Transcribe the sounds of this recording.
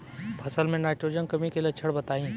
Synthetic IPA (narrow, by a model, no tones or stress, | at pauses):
pʰɐsəlmẽnaːɪʈɾoːd͡ʒənkɐmĩkelɐt͡ʃʰəɽbɐt̪aːĩː